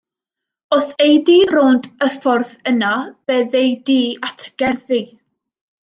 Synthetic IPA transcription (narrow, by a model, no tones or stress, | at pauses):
ɔsejdiroːndəfɔrθənab̥eðejdiːatʰəɡ̥ɛrði